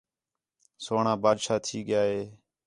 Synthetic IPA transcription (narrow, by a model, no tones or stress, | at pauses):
soːɳaːbaːd̪ʃaːt̪ʰiːɠɪjaːɦeː